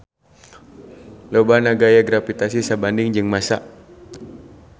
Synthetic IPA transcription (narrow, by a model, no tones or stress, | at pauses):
lobanaɡajaɡɾafit̪asisabandɪŋd͡ʒɨŋmasa